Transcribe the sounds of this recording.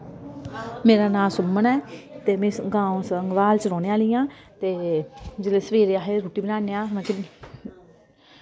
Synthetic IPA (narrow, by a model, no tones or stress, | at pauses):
meːɾaːnãːmsʊmːənɛːt̪eːmɛ̃ːsɡãːõsəŋɡʋaːlt͡ʃɾɔːneːaːliːãːt̪eːd͡ʒeːleːsəʋeːɾeːaːɦeɾoːʈiːbənãːneːãːnɛ̃ːkɪ